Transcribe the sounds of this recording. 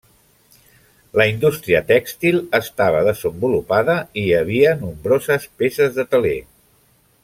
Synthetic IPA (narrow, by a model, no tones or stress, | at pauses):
ləind̪ust̪ɾiət̪ɛkst̪ilˠəst̪aβ̞əðəzəmbulupaðəiəβ̞iənumbɾozəspesəzðət̪əle